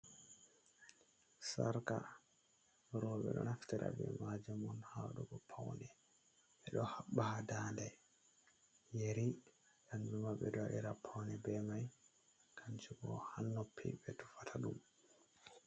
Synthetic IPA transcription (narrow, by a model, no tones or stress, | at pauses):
saɾka | ɾɔɓɛ̰ɗɔnaftiɾa̰bɛ̰mad͡ʒɛmɔnhaɗuɡɔpʰawnɛ | ɛɗɔhaɓːahadandɛ | jeɾi | jand͡ʒumabɛɗɔaʔiɾapʰawnɛbɛmaj | kʰaɲt͡ʃuɡɔhanːɔpʰːibɛtu̥fatʰaɗum